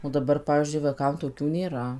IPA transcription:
oː dɐˈbɐr ˈpɑːʋʲiːzʲd͡ʒʲʊɪ ʋɐɪˈkɐm toːˈkʲuː nʲeːˈrɐ

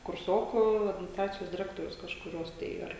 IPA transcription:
kʊrˈsoːkʊ ɐdʲmʲɪnʲɪsˈtrɑːt͡sʲɪjoːs dʲɪˈrʲæːktoːrʲʊs kɐʃkʊˈrʲoːs tɐɪ ˈɐr

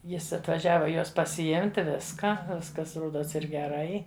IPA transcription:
ˈjɪs ɐtʋɐˈʒʲæːʋɐ ˈjoːs pɐsʲɪˈɪmʲtʲɪ ˈʋʲɪskɐ ˈʋʲɪskɐs ˈroːdoːs ɪr ɡʲɛˈrɐɪ

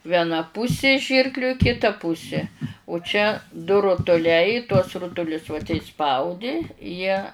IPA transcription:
ʋʲiɛˈnɐ ˈpʊsʲɪ ˈʒʲiːrklʲʊ ɪ kʲɪˈtɐ ˈpʊsʲɪ ʊ t͡ʃʲɛ dʊ rʊtʊˈlʲɛɪ tuɔs ˈrʊtʊlʲʊs ʋɐ tʲɛɪ ˈspɐʊdʲɪ ˈjiɛ

